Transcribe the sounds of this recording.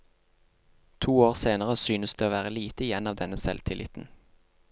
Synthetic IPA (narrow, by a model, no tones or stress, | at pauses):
t̪ʰuːoːʁseːnəʁəsyːnəsd̪eːoːʋæːʁəliːt̪əɪjɛnɑːʋd̪ɛnəsɛ̰lt̪ʰɪlʔɪ̰t̪n̩